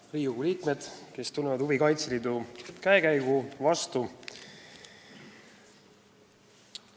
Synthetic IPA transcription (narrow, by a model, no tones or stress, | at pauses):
riːuɡuliːkme̞d̪̥ke̞st̪unːevɑd̪ubikɑjt̪slid̪ukæekæjɡuvɑst̪u